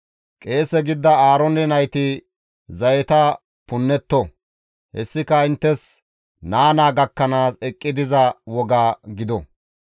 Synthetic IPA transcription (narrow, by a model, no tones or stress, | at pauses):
kʼe̞ːsɛɡɪd̪ːɐaːɾɔnɛnɐjt̪ɪ | zɐjɛt̪ɐ | pʊnːɛt̪ːɔ | hɛsːɪkɐɪnt̪ːɛs | naːnaːɡɐkːɐnaːsɛkʼːɪd̪ɪzɐwɔɡaːɡɪd̪ɔ